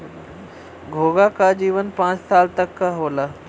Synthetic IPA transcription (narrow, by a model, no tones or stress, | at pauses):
ɡʱoːɡakad͡ʑiːʋənpãːt͡ɕsaːlt̪ɐkːaɦoːla